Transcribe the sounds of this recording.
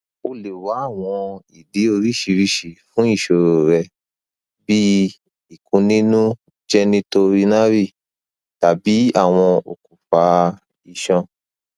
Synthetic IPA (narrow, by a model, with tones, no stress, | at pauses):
o˧le˨wa˨˦a˦˨w̃ɔ̃˧i˨de˨˦o˧ɾi˦ʃi˧ɾi˦ʃi˨fũ˨˦i˦˨ʃo˨ɾo˨ɾɛ˧ | bi˦ | i˦˨kũ˧nĩ˦nũ˦ | d͡ʒɛ˦nĩ˦to˧ɾi˦nã˦ɾi˦˨ | ta˨bi˨˦a˦˨w̃ɔ̃˧o̰˨ku˨fa˨˧˦ | i˨ʃɔ̃˧